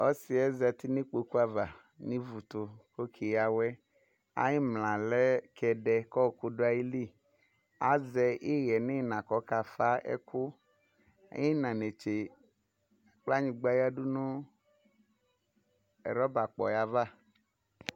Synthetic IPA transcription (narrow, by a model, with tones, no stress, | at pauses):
o˦si˨ɛ˦zɛ˨t̪i˦nĩ˦k͡po˨ku˦a˨va˨ | nĩ˦vu˨t̪o˨ko˦kʰi˨ja˨wɛ˦ | a̰˦ji˦mlã˨lɛ˦kʰɛ˨ɖɛ˨kɔ˦˨ku˦ɖo˦a˨ji˦li˦˨ | a˦zɛ˨ʔi˦ɣɛ˨ne˦˨nã˨kɔ˦ka˨fa˦ʔɛ̰˦ku˦ | a̰˦ji˦nã˨ne˨t͡ʃe˨ | k͡pla˦ɲĩ˨ɡ͡ba˦ja˦ɖu˦nũ˦ | ɛ̰˨ɾɔ˦ba˨k͡pɔ̰˨ja˨va˦